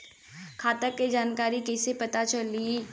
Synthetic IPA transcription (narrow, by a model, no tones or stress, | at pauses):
kʰaːt̪əkːed͡ʒaːnkaːɾikɛːsepɐt̪at͡ʃɐlie